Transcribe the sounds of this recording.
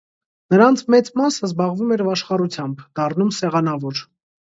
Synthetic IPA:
nəɾɑnt͡sʰmɛt͡smɑsəzbɑʁvumɛɾvɑʃχɑɾut͡sʰjɑmbd̪̥ɑrnumsɛʁɑnɑvɔɾ

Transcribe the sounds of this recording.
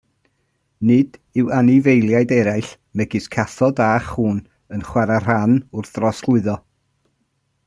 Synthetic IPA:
nɨd̥ɪwanɪvejlˠjajdɛɾajɬ | mɛɡɪɨskʰaθɔdaχuːn | ənχwaɾar̥anʊrθrɔslˠʊɨðɔ

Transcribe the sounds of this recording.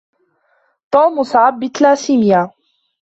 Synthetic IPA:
t̪ˤoːmʊsaʕabːɪt̪laːsimjaː

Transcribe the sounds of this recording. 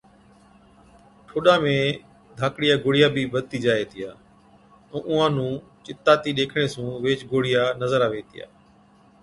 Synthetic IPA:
ʈʰoːɗãːmẽː | d̪ʱaːkɽɪjaːɡoːɽɪjaːbʱiːbəd̪̚t̪iːd͡ʒaːeːt̪ɪjaː | ɛ̃ːʔʊãːnũːt͡ʃɪt̪aːt̪iːɗeːkʰɽ̃eːsũːʋeːt͡ʃɡoːɽ̤ɪjaːnəzəɾaːʋeːt̪ʰɪja̰ː

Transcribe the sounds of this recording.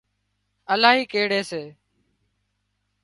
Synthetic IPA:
əlaːɦiːkeːɽeːseː

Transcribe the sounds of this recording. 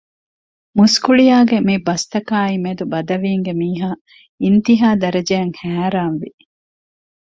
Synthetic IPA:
muskuɭijaːɡemibɐst̪ɐkaːimed̪ubɐd̪ɐʋiːŋɡemiːɦaː | int̪iɦaːd̪ɐɾɐd͡ʒeːŋhæːɾaːnʋi

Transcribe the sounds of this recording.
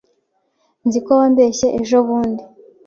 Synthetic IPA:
nzikoβambe̞ːɕe̞ʔeʒo̞βuːndi

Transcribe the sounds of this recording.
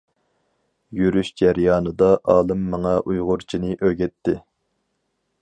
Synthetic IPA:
jyɾyʃd͡ʒæɾjɑːnɨd̪ɑʔɑːlˠɨmːɨŋɑʔujʁʊɾt͡ʃʰinɨʔøɡʲɛt̪ʰːɪ

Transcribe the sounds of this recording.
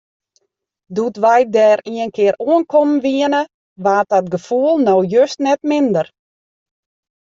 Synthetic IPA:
dutʋɛjdɛːɾiənkʰɪəɾuənkʰɔmnʋiənə | ʋaːt̚ɔtɡəfuəlˠnowjøstnɛtmɪndər

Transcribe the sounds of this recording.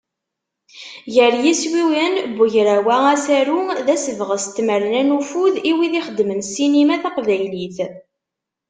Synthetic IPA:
jəɾjiswiwænbʊʝɾæwææsæɾuðæsəvʁəst̪ːməɾnænufuðiwiðiχəd̪mənsinimæθaqvæjliθ

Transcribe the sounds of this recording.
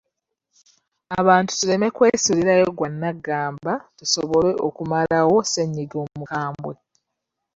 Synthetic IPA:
aβaːntu̥tule̞me̞kwe̞ːsuɾiɾajoɡwanːaɡːaːmbatuso̞βo̞le̞ʔokumalawo̞seɲːiɡo̞ːmukaːmbwe̞

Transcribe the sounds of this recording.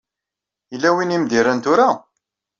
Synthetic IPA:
ilːæwinimd̪iɾənt̪ʊɾa

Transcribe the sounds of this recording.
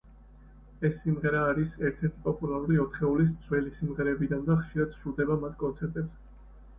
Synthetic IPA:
ɛsːimʁɛɾaːɾisɛɾt̪ʰɛɾt̪ʰi̥pʼɔpʼulaɾuɾiɔt̪ʰχɛulis̬sʰwɛlisimʁɛɾɛːbid̪and̪aχʃiɾad̪̥ʃud̪ɛbamat̪ʰkʼɔnt̪sʰɛɾt̪ʼɛpsɛ

